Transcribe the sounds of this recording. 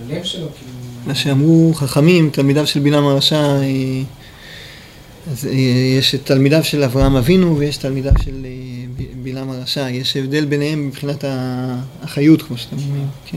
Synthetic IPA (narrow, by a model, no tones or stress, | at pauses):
levʃelokimaʃeamʁuχaχamimt̪almidavʃe̞lbilamaʁaʃae | azjeʃt̪almidavʃe̞lavʁaamavinuvejeʃt̪almidavʃe̞l | bilamaʁaʃajeʃe̞vd̪e̞lbe̞nehe̞mbipχinataː | χajutkmoʃat̪emomʁimkʰe